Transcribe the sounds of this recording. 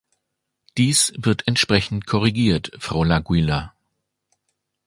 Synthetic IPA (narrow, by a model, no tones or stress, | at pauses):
d̥iːsvɪɐtʰɛntʃpʁ̥ɛçn̩tkʰɔʁiɡiːɐtfʁ̥aʊlaɡwiːla